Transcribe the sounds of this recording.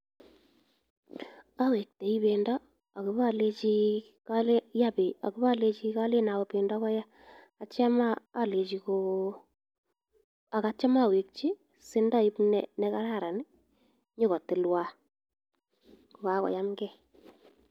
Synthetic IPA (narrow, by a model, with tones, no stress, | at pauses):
a˦we˨k̚te˨i˦βe˨ndɔ˦ | a˨kɪ˦βa˦˨le˦t͡ʃi˦ | ka˦le˦ja˦˨pe˨a̰˨kɪ˦βa˦˨le˦t͡ʃi˦ka˦le˦na˨wɔ˨pe˨ndɔ˦kɔ˦ja˦ | a˨t͡ʃa˦maː˦le˨t͡ʃi˨ko˦ | a˨ka˨˦t͡ʃa˦ma˦˨we˨k̚t͡ʃi˦ | sɪ˦nda˦i˦pnɛ˨nɛ˦ka˦ɾa˦˨ɾa˨nɪ˦ | ɲo˦kɔ˨tɪ˨lwa˦˨ | ka˦kɔ̰˨ja˦mɡɛ˦˨